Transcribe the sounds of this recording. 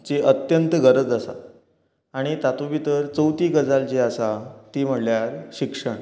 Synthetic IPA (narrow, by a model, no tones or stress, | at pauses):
t͡ɕeʔət̪jənt̪əɡəɾəd͡zasa̰ | aɽ̃it̪at̪uʋit̪əɾt͡səwt̪iːɡəd͡zalt͡ɕeasat̪iːm̤əɽljaɾɕikʂəɳ